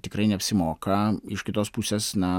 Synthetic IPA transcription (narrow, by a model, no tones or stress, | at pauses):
t̪ʲɪkɾɐɪnʲɛɐpʲsʲɪmoːkɐɪʃkʲɪt̪oːspusʲeːsnɐ